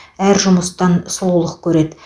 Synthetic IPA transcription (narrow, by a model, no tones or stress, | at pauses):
æɾʒʊməst̪ɑnsʊlˠulˠəq̚kʲʰɵɾe̞d̪ɪ